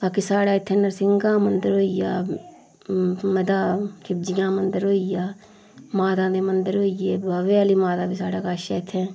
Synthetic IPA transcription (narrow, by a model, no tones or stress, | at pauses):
baːkisaːɽaːɪt̪ʰːẽːnəɾsɪŋɡãːmənd̪əɾɦoːijaː | məd̪aːkʰɪb̚d͡ʒɪjãːmənd̪əɾɦoːijaː | maːd̪ãːd̪eːmənd̪əɾɦoːijeːbaːʋeːaliːmaːt̪aːbiːsaːɽaːkaːʃaːɪt̪ʰːɛ̃ː